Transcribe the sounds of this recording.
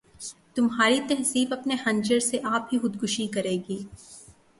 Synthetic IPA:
t̪ʊmɦaːɾit̪ɛɦsiːfɐpnehɐ̃ɲd͡ʒəɾseʔaːp̚ɦixʊd̪ɡʱʊʃikɐɾeːɡiː

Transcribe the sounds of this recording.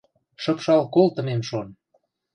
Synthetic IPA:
ʃɤ̆pʃɑlkolt̪ə̆memʃon

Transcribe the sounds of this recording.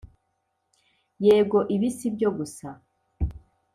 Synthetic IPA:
jeːbɡo̞ʔiβisibjo̞ɡusa

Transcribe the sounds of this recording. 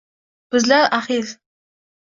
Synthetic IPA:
b̥ɪzlaɾaχil

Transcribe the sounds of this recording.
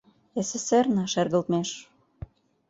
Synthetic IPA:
esesernɑʃerɣə̆lt̪meʃ

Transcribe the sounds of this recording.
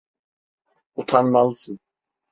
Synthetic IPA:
ut̪ʰanmalˠsɯn

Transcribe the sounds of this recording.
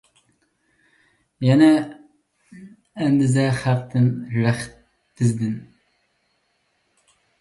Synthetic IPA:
jɛnɛ | nd̪ɪzɛχæqt̪ɨnɾæχt̪ː | ɪzd̪ɪn

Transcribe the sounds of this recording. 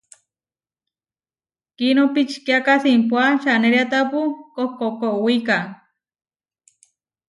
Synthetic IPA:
kinopit͡ʃkjakasimpwaʃaneɾjat̪apukohkokoʔwika

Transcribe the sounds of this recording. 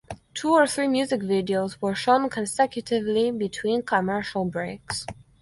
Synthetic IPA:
tʰuəɹθɹimjʉzɪkvɪdioʊzwə˞ʃõnkʰə̃nsɛkjɨtɪvlibɨtʰw̥ĩnkʰəmɜ˞ʃəl̩ˠbɹeɪks

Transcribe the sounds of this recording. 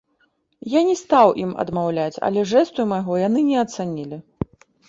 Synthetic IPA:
janʲɛst̪awʔimɐ̰d̪mawlʲat͡sʲɐ̰lʲɛʐɛst̪ujumajɣɔjanɨnʲɛɐt̪sanʲilʲi

